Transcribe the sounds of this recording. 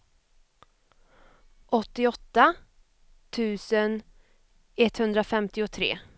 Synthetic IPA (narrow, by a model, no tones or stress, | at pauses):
ʔɔt̪ːɪɔt̪ːa | t̪ʰʉ̟ːsən | ɛt̪hɵnd̪ɾafɛmt̪ɪʊt̪ʰɾḛː